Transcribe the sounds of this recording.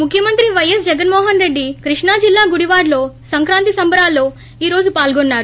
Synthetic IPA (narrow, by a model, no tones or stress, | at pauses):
mukʰjɐmɐnt̪ɾiʋɐjɐs̬d͡ʒɛɡɐnmɔːɦɐnɾe̞ɖːikɾiʂɳaːd͡ʒilːaːɡuɽiʋaːɾloːsɐŋkɾaːnt̪isɐmbɐɾaːlːoː | iːɾo̞ːd͡ʒupaːlɡonːaːɾu